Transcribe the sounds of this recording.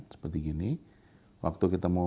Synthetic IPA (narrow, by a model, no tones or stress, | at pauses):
sə̥pərt̪iɡini | wa̰k̚t̪ukit̪ama